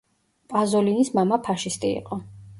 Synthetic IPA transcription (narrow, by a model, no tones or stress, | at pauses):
pʼazɔlinismamapʰaʃist̪ʼḭːqʼɔ